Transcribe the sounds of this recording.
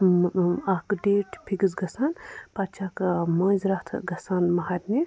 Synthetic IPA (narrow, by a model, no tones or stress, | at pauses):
akɖeːʈʰpʰiɡɨzɡɐsaːnpat͡ʃʰakmɐ̃ːnzɾɐht̪ʰɡɐsaːnmɐɦatʲni